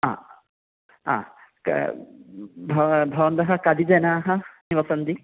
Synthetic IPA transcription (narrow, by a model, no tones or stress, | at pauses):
ã̰ | ã̰k | bʱbʱɔbɔnd̪aɦakad̪izajnaːɦãnibɔsɔnd̪i